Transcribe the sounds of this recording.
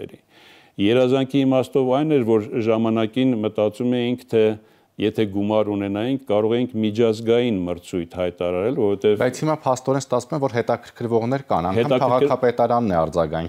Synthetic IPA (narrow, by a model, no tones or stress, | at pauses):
ɛ̰ɾḭ | jɛɾɑzɑŋkʰiːmɑst̪ɔvɑjnɛɾvɔɾʒɑmɑnɑkinmət̪ɑt͡sumɛjiŋkʰt̪ʰɛ | jɛt̪ʰɛɡumɑɾunɛnɑjiŋkʰkːɑɾɔʁɛjiŋkʰmit͡ʃʰɑzɡɑjinməɾt͡sʰujt̪ʰhɑjt̪ɑɾɑɾɛlvɔɾɔvɛt̪ɛvbɑjt͡sʰhimɑpʰɑst̪ɔɾɛnst̪ɑt͡sʰvumɛmvɔɾɦɛt̪ɑkʰəɾkʰəɾvɔʁnɛɾkɑnɑŋkhɛɑmɑʁɑkʰɑpɛt̪ɑɾɑnːɛɑɾd͡zɑɡɑŋ